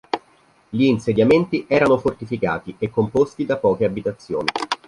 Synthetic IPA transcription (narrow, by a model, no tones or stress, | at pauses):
ʎiːnsed̪jament̪iʔɛːɾanofort̪ifika̰ːt̪iekːompost̪id̪apɔːkeabit̪at̪sːjo̰ːni